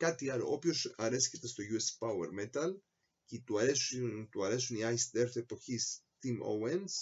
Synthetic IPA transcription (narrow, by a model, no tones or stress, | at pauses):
kɐt̪iɐlo̞̰ʔopço̞sɐɾescet̪e̞st̪o̞ʝuespɐwḛɾme̞t̪ɐl | cet̪uɐɾest̪uɐɾe̞suniɐjsd̪e̞ɾθe̞po̞çist̪imo̰wens